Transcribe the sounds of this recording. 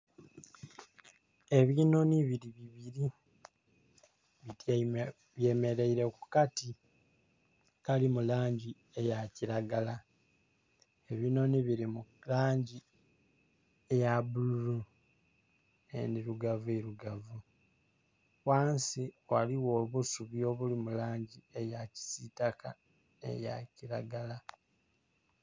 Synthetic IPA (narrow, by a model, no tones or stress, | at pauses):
e̞βiːnoniβiɾiβiβiɾi | βit | βje̞me̞ɾe̞iɾe̞ku̥kati | kalimulaːɲɟi | e̞jaciɾaɡala | eβino̞niβiɾimulaːɲɟi | ejaβululu | ḛniɾuɡavueɾuɡavu | waːnsiwaliwoβusuβio̞βulimulaːɲɟiejaci̥sitaka | ḛja̰ciɾaɡala